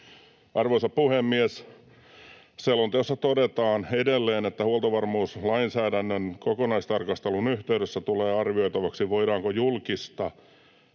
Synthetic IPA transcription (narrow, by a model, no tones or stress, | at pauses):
ʔɑrʋoisɑppuhemːies | selont̪osːɑt̪odet̪ɑːnedelːeːnet̪ːæhuolt̪oʋɑrmuːslɑinsæːdænːønkokonɑist̪ɑrkɑst̪elunyht̪eyɾøsːæt̪uleːɑrʋioit̪ɑʋɑksiʋoiɾɑːŋkojulkist̪ɑ